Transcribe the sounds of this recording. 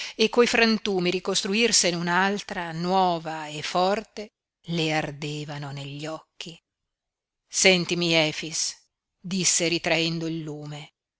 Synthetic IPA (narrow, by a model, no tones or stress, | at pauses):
ekːojfɾant̪uːmiɾikost̪ɾuirseneunalt̪ɾanwɔːvaefːɔrt̪e | leard̪eːvanoneʎːɔkːi | sɛnt̪imiɛːfis | d̪isːeɾit̪ɾaɛnd̪oilːuːme